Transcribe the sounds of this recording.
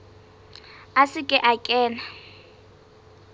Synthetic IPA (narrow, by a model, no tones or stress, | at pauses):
asɪkʼɪʔakʼɛːna